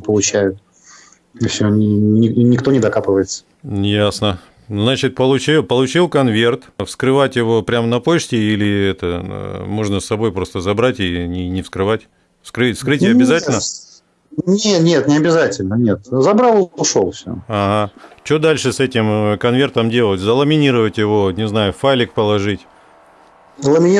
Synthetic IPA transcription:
pəlˠʊt͡ɕæjʊt̪̚ | ifsʲonʲɪnʲɪnʲɪkt̪o̞nʲɪd̪ɐkapɨvəjɪt̪sə̥ | jasnə | znat͡ɕɪt̪̚pəlˠʊt͡ɕilˠpəlˠʊt͡ɕilˠkɐnvʲe̞rt̪fskɾɨvatʲjɪvo̞pɾʲamnɐpo̞ɕtʲɪilʲɪɛt̪ə̰mo̞ʐnəsːɐbo̞jpɾo̞st̪əzɐbɾatʲinʲɪnʲɪfskɾɨvatʲ | fskɾɨfskɾɨtʲɪɐbʲɪzatʲɪlʲnə | nʲet̪nʲet̪nʲɪɐbʲɪzatʲɪlʲnənʲet̪zɐbɾalˠʂo̰lˠfsʲo̰aɦat͡ɕo̞d̪alʲʂɨsɛtʲɪmkɐnvʲe̞rt̪əmdʲe̞lˠətʲzəlˠəmʲɪnʲiɾəvətʲjɪvo̞nʲɪznajʊfajlʲɪk̚pəlˠɐʐɨtʲ | lˠəmʲɪnʲi

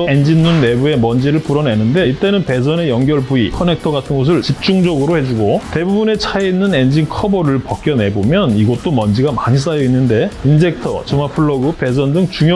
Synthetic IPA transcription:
end͡ʑinːunːe̞bue̞mʌnd͡ʑiɾɯɭpuɾʌne̞nɯnde̞iɭt͈e̞nɯnpe̞s̬ʰʌne̞jʌŋɡjʌɭpuikʰʌne̞k̚tʰʌɡatʰɯnɡʌs̬ʰɯɭt͡ɕip̚t͡ɕ͈uŋd͡ʑʌɡɯɾohe̞d͡ʑuɡote̞bubune̞t͡ɕʰaeinːɯne̞nd͡ʑinkʰʌbʌɾɯɭpak͈̚jʌnɦe̞bomjʌniɡʌt̚t͈omʌnd͡ʑiɡamaɲis̬͈ajʌinːɯnde̞ins̬ʰe̞k̚tʰʌ̰t͡ɕɯmapʰɯɭːʌɡɯpe̞s̬ʰʌndɯŋt͡ɕuŋj

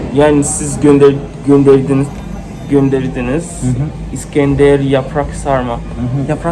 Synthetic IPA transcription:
jaːnisizɟød̪ | ɟønd̪eɾd̪in | ɟønd̪eɾid̪iniz̥ | iscɛnd̪ɛɾjapʰɾaksaɾma | jpɾa

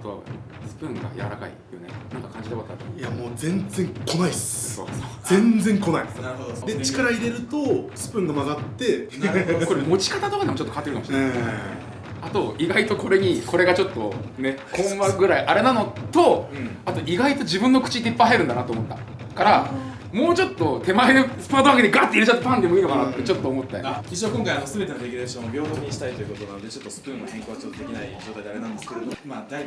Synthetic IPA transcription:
at̪o̞̰ | sɨ̥pɯ̟̃ŋɡa̰ja̰β̰ɾa̰ka̰ḭjonḛnãŋkakãɲ̟d͡ʑid̪eβak̪ːaɾjamoːzẽ̞nd͡zẽ̞ŋko̞naisso̰ːsod͡zẽ̞nd͡zẽŋko̞naḭd̪et͡ɕi̥kaɾaiɾe̞ɾɯ̟t̪osɨ̥pɯ̟̃ŋɡamaɡat̪ːe̞ | ko̞ɾemo̞t͡ɕi̥kat̪at̪o̞kad̪emo̞t͡ɕot̪ːokat̪ːeɾɯ̟kamoɕinnae | at̪o̞ʔiɡait̪o̞ko̞ɾe̞ɲ̟ikʰo̞ɾe̞ɡat͡ɕo̞t̪ːo̞ne̞kʰõ̞βaɡɯ̟ɾaiʔaɾe̞nano̞t̪o̞ | at̪o̞ʔiɡait̪o̞d͡ʑibɯ̟̃nːo̞kɯ̟t͡ɕiɲit̪epːajɦaeɾɯ̟̃nd̪anat̪oːmo̞t̪ːḁ̰ | kaɾa | mo̞ːt͡ɕo̞t̪ːo̞t̪e̞maeɾɯspɯat̪okaket̪eɡaːt̪ːeiɾet͡ɕat̪ːapãnd̪emɯinokanat̪ːet͡ɕo̞t̪ːo̞ːmo̞t̪ːa̰kʲiɕ̬oakõŋkaiβahazɨme̞t̪enoɾeɡʲiɾeɕõnːobʲjo̞ːt̪oɲ̟iɕi̥t̪ait̪o̞jɯ̟kot̪onanod̪e̞t͡ɕo̞t̪ːosɨ̥pɯ̃nːohẽ̞ŋkoːɡat͡ɕot̪ːod̪e̞kʲinaḭd͡ʑo̞ːt̪ajd̪eaɾenand̪esɨ̥keɾed̪omad̪ai

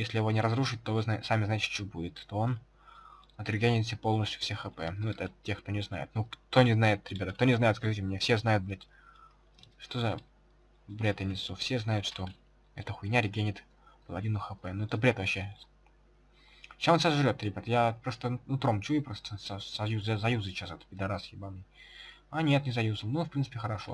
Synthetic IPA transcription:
jesʲlʲɪjɪvo̞nʲɪɾɐzɾuʂɨt̚ʲt̪o̞vɨznasamʲɪznaɪtʲɪ̥t͡ɕɪobudʲɪt̪t̪o̞on | ɐt̪ɾʲɪɡʲenʲɪt̪s̬ʲepo̞lˠnəsʲtʲjʊ̥fsʲexəpɛnuɛt̪əɐtʲːe̞xk̚t̪onʲɪzna̰jɪ̰t̪nukt̪o̞nʲɪznajɪt̪ɾʲɪbʲat̪ək̚t̪o̞nʲɪznajɪt̪skɐʐɨtʲɪmnʲefsʲe̞znajʊt̪̚bɾʲet̪ʲ | ʂt̪o̞zə | bɾʲet̪ɪnʲɪt̪sufsʲe̞znajʊt̪ʂt̪o̞ | ɛt̪əxʊjnʲaɾʲɪɡʲenʲɪt̪ | pəlˠɐdʲinʊxəpɛnuɛt̪əbɾʲe̞t̪vɐɕːe | ɕasonsəʐɾʲo̞t̪ɾʲɪbʲat̪əjapɾo̞st̪ənut̪ɾomt͡ɕuɪpɾost̪əssɐjuzasɐjuzɨt͡ɕasot̪pʲɪd̪ɐɾasjɪbamnʲɪanʲet̪nʲɪsɐjuzəlˠnufpɾʲinɨpʲɪxəɾɐʂo̞̰

